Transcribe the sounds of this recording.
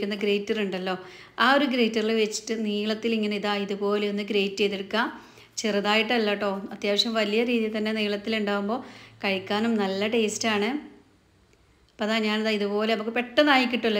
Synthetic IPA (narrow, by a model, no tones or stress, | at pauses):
kːunːɐɡɾejtːɐruɳɖɐlːo̞ː | aːo̞ɾuɡɾe̞jtːɐriɭeʋet͡ɕːi̥ʈːɨniːɭɐt̪ːiliŋːɐneiðaːiðupo̞ːle̞o̞nːɨɡɾe̞jtːejðiɽɨkːaː | t͡ɕerɐðaːjiʈːɐlːaːʈːo̞ːnɐt̪jaːʋɐʂjɐmʋɐlijɐɾiːðijɐt̪ːɐnːe̞niːɭɐt̪ːiluɳɖaːʋumbo̞ːkɐɻikʲːaːnumnɐlːɐʈe̞ːstaːɳɨ | ɐpːɐðaːɲaːniðaːiðupo̞ːleɐmukːɨpe̞ʈːɐnaːjikʲːiʈːulːɐ